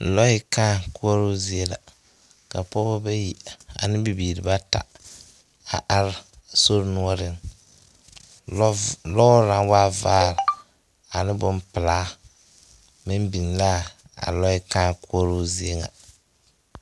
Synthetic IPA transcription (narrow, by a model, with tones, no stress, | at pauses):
lɔ˦ɪ˦kaː˦ku˦ɔ˦ɾʊ˦zi˦e˦la̰˨ | ka˨pɔ˦bɔ˦ba˦ji˨a̰˨nɪ˦bi˨biː˨ɾɪ˨ba˦ta̰˨ | a˨ʔa˨˦ɾso˦ɾnu˦ɔ˦ɾɪ˦n | lɔ˦ɾa˨˦waː˦vaː˦ɾ | a˨nɪ˦bʊ˦mpɪ˨laː˦ | mɪ˦mbi˨n˨la˦ | a̰˨lɔ˦ɪ˦kaː˦ku˦ɔ˦ɾu˦zi˦e˦ŋa̰˨